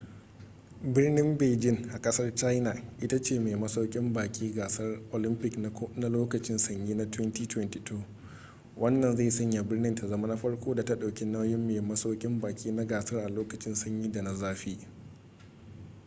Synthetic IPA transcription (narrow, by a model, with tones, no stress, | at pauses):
bɪ˦rnɪ˦mbeː˨d͡ʒɪ˦ŋʔa˨kʼɐ˦sɐ˦rt͡ʃa˦jna˨ʔɪ˦ta˦t͡ʃeː˦˨meː˨mɐ˦sa˦kʲʼɪ˦mbaː˨kʲʼiː˦ɡaː˨sɐ˦rʔo˨lɪ˦mpɪ˦kn˦na˦loː˦kɐ˨t͡ʃɪ˦nsɐ˨ɲjiː˦na˦twɛ˦ntiː˦twɛ˦nti˨tʰoː˦ | wʔɐ˦nːɐ˨nza˦˨sɐ˦ɲja˨bɪ˦rnɪ˦nta˨zɐ˦ma˦na˦ɸɐ˦ɽkʷoː˦da˨ta˦ɗa˨wkʲi˦na˦wjɪ˦mːe˨mɐ˦sa˦wkʲʼɪ˦mbaː˨kʲʼiː˦na˦ɡaː˨sɐ˦rʔa˨loː˦kɐ˨t͡ʃɪ˦nsɐ˦ɲjiː˦da˨na˨zaː˦ɸiː˦ʔ